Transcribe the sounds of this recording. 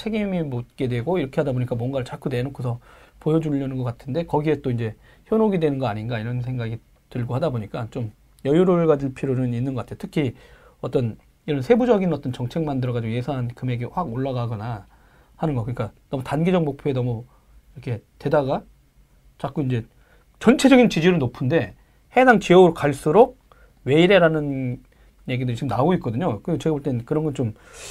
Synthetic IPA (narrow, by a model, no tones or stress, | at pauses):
t͡ɕʰe̞ɡimimot̚k͈e̞dwe̞ɡoiɾʌkʰe̞hadaboɲik͈amwʌnɡaɭt͡ɕak͈ʰude̞nokʰusʰʌpojʌd͡ʑuʎːʌnɯnɡʌk͈atʰɯnde̞kʌɡie̞t͈oind͡ʑe̞ | çjʌnoɡidwe̞nɯnɡʌaɲinɡaiɾʌnsʰe̞ŋɡaɡi | tɯɭɡohadaboɲik͈at͡ɕom | jʌjuɾoɾɯɭɡad͡ʑiɭpʰiɾonɯninːɯnɡʌkatʰejotʰɯkʰi | ʌt͈ʌn | iɾʌnsʰe̞bud͡ʑʌɡinʌt͈ʌnt͡ɕʌŋt͡ɕʰe̞ŋmandɯɾʌɡad͡ʑiɡoje̞sʰaŋɦankɯme̞ɡe̞ɸwaɡoɭːaɡaɡʌna | hanɯnɡʌkɯɲik͈anʌmutanɡid͡ʑʌk̚mok̚pʰjoenʌmu | iɾʌkʰe̞te̞daɡa | t͡ɕak͈uind͡ʑe̞ | t͡ɕʌnt͡ɕʰe̞d͡ʑʌɡint͡ɕid͡ʑiɾɯɭnopʰunde̞ | he̞daŋt͡ɕiʌɡɯɾok͈aɭs͈uɾok̚ | we̞iɾe̞ɾanɯn | je̞ɡidɯɾit͡ɕiɡɯmnaɡoit̚k͈ʌdɯɲokɯiɡot͡ɕe̞ɡaboɭt͈e̞nkɯɾʌnɡʌnt͡ɕom